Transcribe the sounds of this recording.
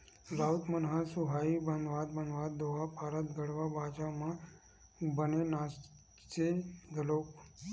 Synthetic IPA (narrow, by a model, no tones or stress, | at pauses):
zaut̪mənɦasuɦaibənd̪ʋat̪̚bə̃nd̪ʋat̪̚d̪oʋapaɾat̪ɡəɽʋabaːt͡ʃamã | bənenas | t͡seɡəlok